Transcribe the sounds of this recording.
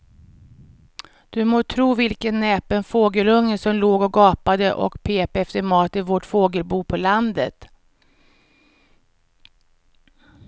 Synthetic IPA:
d̪̥ɵmoːt̪ʰɾuːvɪlkənːɛːpənfoːɡəlɵŋːəsɔmloːɡɔɡɑːpad̪əʔɔ̰kpʰeːpɛft̪əɾmɑːt̪ɪvoʈfoːɡəlbuːpʰɔland̪ət̪

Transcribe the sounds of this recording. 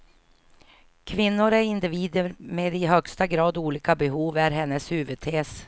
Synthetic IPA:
kʰvɪnːʊɾæɾɪnd̪ɪviːd̪əɾmeːd̪ɪɦœkst̪aɡɾɑːd̪uːliːkabɛɦuːvæɾɦɛnːəshʉːvəd̪̚t̪ʰeːs

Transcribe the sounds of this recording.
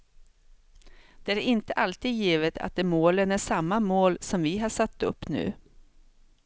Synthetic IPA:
d̪̥ɛæɾɪnt̪əʔalt̪iːd̪jiːvət̪ʰa̰t̪̚d̪ɛmoːlənæʂamːamoːlsɔmvɪɦɑʂat̪ːɵ̰pːnʉ̟̰ː

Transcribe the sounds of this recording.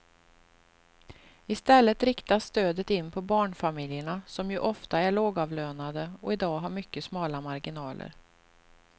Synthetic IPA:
ɪst̪ɛlːət̪ɾɪkt̪asːt̪øːd̪ət̪ɪnːpʰɔbɑːɳfamɪljəɳasɔmjɵʔɔft̪aæɭoːɡɑːvløːnad̪əɔɪd̪ɑːɡɦaɾmʏkːəsmɑːlamaɾɡɪnɑːlʔə̰ɾ

